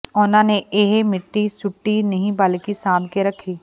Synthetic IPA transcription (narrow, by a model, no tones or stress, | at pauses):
oːnãneeːɦemɪʈːisʊʈːinɐɦĩbaːlkisãːbkeɾɐkʰːiː